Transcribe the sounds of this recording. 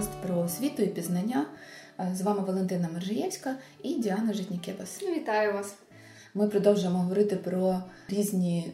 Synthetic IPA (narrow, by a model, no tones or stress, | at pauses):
st̪pɾɔsʲʋʲit̪ʊipʲiznɐnʲːa | zʋɑmɪʋɔlˠent̪ɪnɐmɐrʒjɛwsʲkɐidʲiɑnɐʒɪtʲnʲikʲɛbɐsʋʲit̪ɑjʊʋɑs | mɪpɾɔd̪ɔwʒʊjemɔɦɔʋɔɾɪt̪ɪpɾɔɾʲizʲnʲi